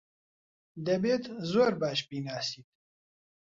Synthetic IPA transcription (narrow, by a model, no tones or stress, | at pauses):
d̪ɛbeːt̪zoːɾbaːʃbiːnaːsiːt̪̚